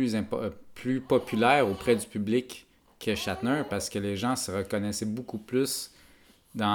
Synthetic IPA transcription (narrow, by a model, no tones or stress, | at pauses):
yzɛ̃pʰlypɔpʰylɛːʁopχɛd̪ypyblɪkʰː | əʃat̪nœpaʁsə̥kəleʒɑ̃səʁəkɔnɛsɛbukuplys | d̪ɑ̃